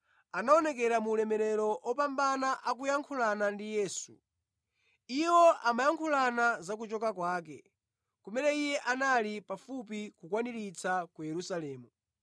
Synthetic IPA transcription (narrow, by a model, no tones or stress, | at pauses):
anaɔnɛk̬ɛɾamuːlɛmɛɾɛɾɔʔɔpambanaʔak̬ujaŋkʰulanandijɛːsṵ | iwɔʔamajaŋkʰulanazak̬ut͡ʃɔkakwaːkɛ̰ | kumɛnɛijɛʔanalipafup̬ikukwaniɾit͡sakujɛɾusalɛːmu